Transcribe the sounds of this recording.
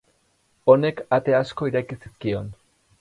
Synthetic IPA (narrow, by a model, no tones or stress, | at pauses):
o̞ne̞kat̪e̞asko̞iɾajkisiskio̞n